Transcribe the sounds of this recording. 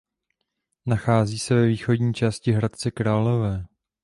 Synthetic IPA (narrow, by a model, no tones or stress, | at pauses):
naxaːziːsɛvɛviːxo̞dɲiːt͡ʃaːscɪɦɾat̪̚t͡sɛkɾaːlo̞vɛː